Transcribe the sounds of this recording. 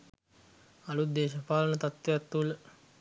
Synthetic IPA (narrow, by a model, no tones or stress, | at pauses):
alud̪eːʃəpaːlənət̪at̪ʋeat̪ːulə